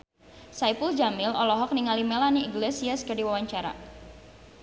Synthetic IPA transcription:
sajpuld͡ʒamɪlɔlɔɦɔk̚niŋalimelaniiŋɡlesiaskədiwawaɲt͡ʃaɾa̰

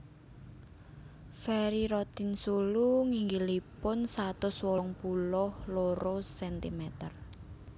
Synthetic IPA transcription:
fɛɾiɾɔt̪insuluŋiŋɡilipʊnsat̪ʊswɔŋpulʊhloɾosɛnt̪imɛt̪ər

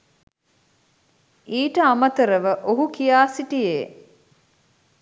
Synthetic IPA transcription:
iːʈəamət̪əɾəʋəʔoɦukijaːsiʈijeː

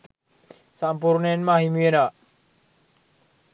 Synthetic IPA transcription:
sampuɾnenmaɦimuena

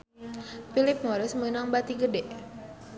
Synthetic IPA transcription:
filɪp̚mɔɾɪsmənaŋbat̪iɡədɛʔ

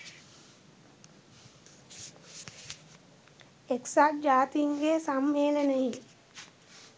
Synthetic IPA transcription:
eksaːd͡ʒaːt̪iŋɡesamːeːləneji

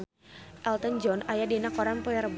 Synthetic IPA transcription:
ʔɛlt̪ənd͡ʒɔnajadinakɔɾanpɔɛɾəb

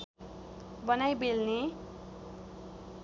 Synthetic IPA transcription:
bʌnajbelne

